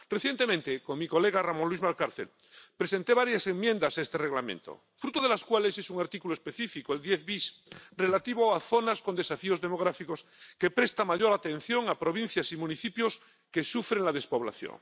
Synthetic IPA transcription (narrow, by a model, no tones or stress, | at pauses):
reθje̞nt̪e̞mẽnt̪ekoŋmiko̞le̞ɣaramõnlwizmalkaɾθel | pɾese̞nt̪e̞βaɾjase̞ŋmjẽ̞nd̪asaest̪ere̞ɣlamḛ̃nt̪o̰ | fɾut̪oð̞e̞laskwale̞sesuŋaɾt̪ikuloespe̞θifikoeld̪jeθβisre̞lat̪iβoaθo̞naskond̪esafio̞zðemo̞ɣ̞ɾafikoske̞pɾest̪amaʎo̞ɾat̪ẽ̞n̟θjo̞ŋapɾo̞βĩn̟θjasimũniθipjos | ke̞sufɾeŋlaðe̞spo̞βla̰θjo̰ŋ